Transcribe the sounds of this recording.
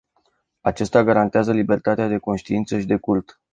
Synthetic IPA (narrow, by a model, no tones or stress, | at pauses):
at͡ʃest̪aɡaɾant̪eazəlibe̞rt̪at̪ead̪e̞ko̞nʃt̪iint̪səʃid̪e̞kult̪